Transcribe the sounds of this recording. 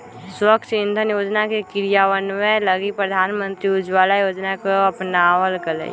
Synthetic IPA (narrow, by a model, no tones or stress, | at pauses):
səkt͡ʃɪ̃nd̪ʱənjoːd͡ʒnakekɪɾijawənmẽləɡipɾəd̪ʱaːnmə̃nt̪ɾiʊd͡ʒwaːlajoːd͡ʒnakoɐpnawəlkəlḛː